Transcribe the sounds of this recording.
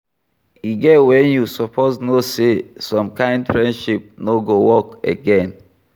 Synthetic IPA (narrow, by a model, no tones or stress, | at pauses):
iɡɛtwɛ̃njusɔpʰoznosesɔ̃mkãɪ̃ndfɹɛ̃ndʃip̚noɡowɔkḛɡɛ̃n